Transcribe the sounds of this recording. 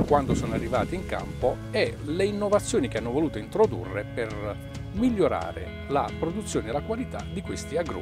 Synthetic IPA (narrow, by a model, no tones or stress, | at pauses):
kwand̪osɔːnarːiva̰ːt̪iiŋka̰mpo | ɛleinːovat̪sːjoːnikeanːovoluːt̪oint̪ɾod̪ṵrːeper | miʎːoɾa̰ːɾḛ | la̰pɾod̪ut̪sːjoːneelakwalit̪a̰d̪ikwest̪iaɡɾṵ